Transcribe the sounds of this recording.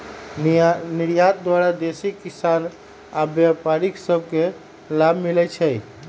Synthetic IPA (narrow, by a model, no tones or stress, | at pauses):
niɾjat̪̚d̪waɾad̪esikisan | abjapaɾiksəb̚ʱke | labʱmilɛt͡ʃʰɛj